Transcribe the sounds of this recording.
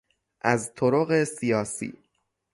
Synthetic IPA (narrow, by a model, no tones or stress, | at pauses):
ʔæzt̪ʰoɾoɣe̞sijɒːsḭː